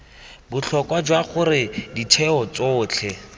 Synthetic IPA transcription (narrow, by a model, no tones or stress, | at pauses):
bʊt͡ɬʰɔkwad͡ʒwaχʊrɪditʰɛɔt͡soːt͡ɬʰɛ